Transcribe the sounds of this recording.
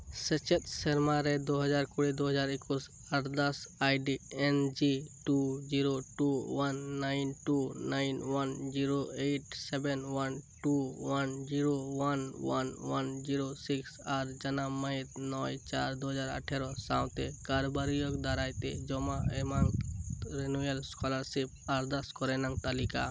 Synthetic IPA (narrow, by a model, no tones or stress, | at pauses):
sɛt͡ʃɛt̪sɛɾmaɾɛd̪oɦəd͡ʒaɾkuɽɛd̪oɦəd͡ʒaɾɪkus | aɾd̪asajɖiɛnd͡ʒiʈud͡ʒiɾoʈuwanːaɪnʈunaɪnwand͡ʒiɾoeʈsɛbɛnwanʈuwand͡ʒiɾowanwanwand͡ʒiɾosiksaɾd͡ʒanamait̪nɔjt͡ʃaɾd̪uɦəd͡ʒaɾa̰ʈʰɛɾɔsaw̃t̪ɛkaɾɔbaɾijɔkd̪aɾajt̪ɛd͡ʒɔmaɛmaŋɾenuelskʰɔlaɾsip̚aɾd̪askɔɾɛnaŋt̪alika̰